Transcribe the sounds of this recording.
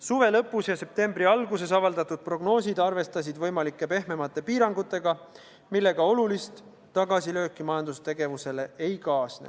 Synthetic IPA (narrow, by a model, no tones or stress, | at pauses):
suve̞lɤpːusjɑse̞p̚t̪e̞mbɾiɑlɡuse̞sɑvɑld̪ɑt̪ud̪̥̚pro̞ɡ̥no̞ːs̬ʲid̪ɑrve̞st̪ɑs̬id̪vɤjmɑlikːˑe̞pe̞ɦme̞mɑt̪ːˑe̞piːɾɑŋɡ̥ut̪ːˑe̞ɡ̥ɑ | milːe̞ɡ̥ɑo̞lulist̪ː | ɑɡɑsilø̞ːkːˑimɑjɑnd̪ust̪e̞ɡe̞vuse̞le̞ejkɑːsnḛ